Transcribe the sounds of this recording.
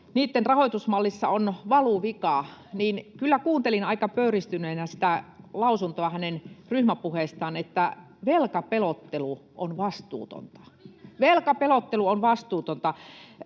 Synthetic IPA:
niːt̪ːenrɑhoit̪usmɑlːisːɑ̰onʋɑluʋikɑniːnkylːækuːnt̪elinɑikɑpøyrist̪yneinæsi̥t̪ælɑusunt̪oɑhænenryhmæpuheˑst̪ɑːnet̪ːæ | ʋelkɑpelot̪ːeluʔonʋɑst̪ṵːt̪o̰nt̪ɑ̥ʋelkɑpelot̪ːeluonʋɑst̪uːt̪ont̪ɑ

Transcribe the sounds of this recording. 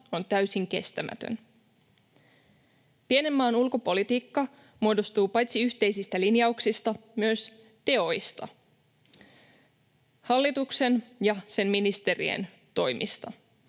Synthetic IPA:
o̞nt̪æɥsiŋke̞̰st̪æmæ̰t̪ø̰n | piene̞mːɑːnulko̞po̞lit̪iːkːɑ | muodo̞st̪uːpɑjt̪siyht̪e̞jsist̪ælinjɑuksist̪ɑmyøs | t̪e̞o̞jst̪ɑ̰ | hɑlːit̪ukse̞njɑse̞nminist̪e̞rḭḛn | t̪o̞jmʔḭst̪ɑ

